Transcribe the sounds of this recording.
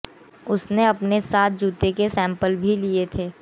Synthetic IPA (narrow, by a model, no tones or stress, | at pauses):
ʊsneɐpnesaːt̪̚ʰd͡ʒuːt̪ekesɛ̃ːmpəlbʱiliet̪ʰeː